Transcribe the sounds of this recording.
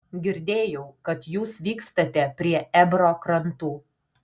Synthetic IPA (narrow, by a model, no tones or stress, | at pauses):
ɡʲɪɾʲd̪ʲeːjɛʊkɐt̪juːsʋʲiːkst̪ɐt̪ʲɛpʲɾʲiɛɛbɾoːkɾɐnt̪uː